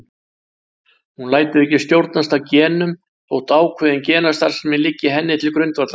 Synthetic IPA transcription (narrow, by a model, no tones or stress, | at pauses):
hunlaːjt̪ɪðɛhcːɪst̪jowɾt̪nas̬t̪awcɛːnʏm | owht̪aːwkʰɛðɪncɛːnast̪aɾ̥sɛmɪlɪcːɪɦɛnːɪt̪ʰɪlkɾʏɥnt̪vaɾt̪la